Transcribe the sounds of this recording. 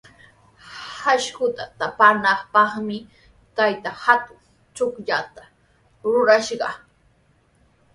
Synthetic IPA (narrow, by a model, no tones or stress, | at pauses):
haʃkʊt̪at̪apanɑχpɑχmɪ | t̪ajt̪ahat̪ʊŋ | t͡ʃokʎat̪a | ɾʊɾaʃɢɑ̰